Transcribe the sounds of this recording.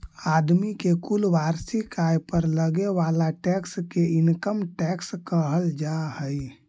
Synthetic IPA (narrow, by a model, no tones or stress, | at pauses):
ad̪mikekulʋaɾsikajpəɾləɡeʋalaʈɛkskeinkəmʈɛkskəɦəld͡ʒahəj